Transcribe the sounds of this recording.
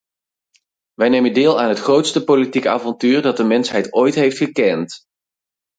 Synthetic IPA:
ʋɛjnejməndɪːlˠaːnɦətχrowtstəpolitikaːvɔntyːrdɑt̚dəmɛnsɦɛjtojtɦejftχəkɛnt

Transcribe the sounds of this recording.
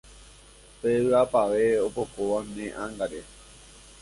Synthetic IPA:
peɨapaʋeopokoʋanẽʔãŋɡaɾe

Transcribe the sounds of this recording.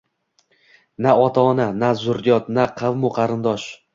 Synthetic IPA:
naɒt̪ʰaːnanazʊɾjɒt̪̚naqʰɑvmʊqʰɑɾɪnd̪ɒʃ

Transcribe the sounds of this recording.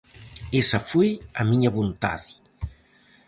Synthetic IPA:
esɐfojɐmiɲɐβont̪a̰ðɪ

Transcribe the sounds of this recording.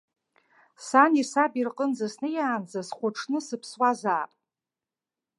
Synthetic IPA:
sanisabirqʼənzasnɨjaːnd͡zasχʷʊʈ͡ʂʰnɨsɨpʰswazaːpʼ

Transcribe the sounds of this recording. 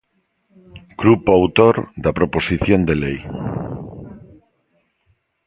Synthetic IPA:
ɡ̥ɾupoawt̪oɾd̪apɾoposiθjond̪elej

